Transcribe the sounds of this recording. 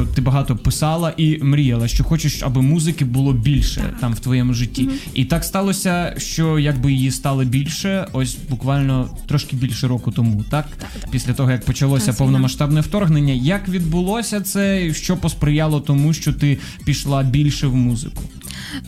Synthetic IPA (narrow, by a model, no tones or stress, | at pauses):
t̪ɪbɐɦɑt̪ɔpɪsɑlˠɐʔimɾʲijɐlˠɐʃt͡ʃɔxɔt͡ʃɪʃɐ̰bɪmuzɪkɪbʊlˠɔbʲilʲʃɛ̰t̪ɑmwt̪ʋɔjɛmʊʒɪtʲːiit̪ɑkst̪ɑlˠɔsʲɐʃt͡ʃɔjɐɡ̚bɪjɪjist̪ɑlˠɪbʲilʲʃɛɔsʲbʊkʋɑlʲnɔt̪ɾɔʃkɪbʲilʲʃɛɾɔkʊt̪ɔmut̪ɑk | pʲisʲlʲɐt̪ɔɦɔjɐk̚pɔt͡ʃɐlˠɔsʲɐpɔwnɔmɐʃt̪ɑbnɛwt̪ɔrɦnenʲːɐjɐkʋʲid̪bʊlˠɔsʲɐt̪sɛʃt͡ʃɔpɔspɾɪjɑlˠɔt̪ɔmuʃt͡ʃɔt̪ɪ | pʲiʃlˠɑbʲilʲʃɛwmuzɪ̰kʊ̥